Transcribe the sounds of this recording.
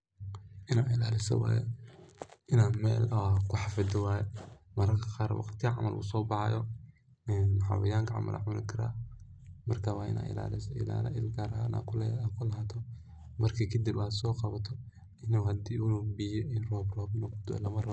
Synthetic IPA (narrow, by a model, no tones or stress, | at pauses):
ʔɪnaːɪlaːlɪsɔ̰wa̰ːjɛ̰ | ʔɪnaːnmɛ̰ːlkʰʊħɑfɐd̪ɪwaːjɛmɐɾɐkʰɐqɑːɾ̰wɑ̰qt̪ɪɐʕɑ̰mɐ̰lʔṵsɔːbɑħɑjɔ | ɛnħa̰wɐjaːŋkʰɐʕɑ̰mɐ̰lʔɐ̰ʕʊnɪ̰kʰɐɾa̰ː | mɐrkʰawaːʔɪ̰na̰ːɪ̰la̰ːlɪsɔɪ̰la̰ːlɐ̰ʔɪlɡaːɾɐhaːna̰ːkʰʊlɛakʰʊlɐɦaːt̪ʰɔ | mɐrkʰɐkʰɐd̪ibaːsɔːqɑβɐt̪ʰɔ | ɪnuːhɐd̪iːulubijɔɪnrɔːbrɔːbnɔɡ̚d̪ɔ̰lɐmɐrɐ